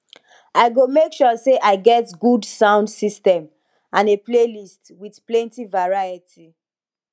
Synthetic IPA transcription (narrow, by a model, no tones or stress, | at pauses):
aɪɡomekʃɔseʔaɪɡɛtɡudsãʊ̃ndsistɛ̃m | ãneplelistwið̥plɛ̃ntivaɹajitʰi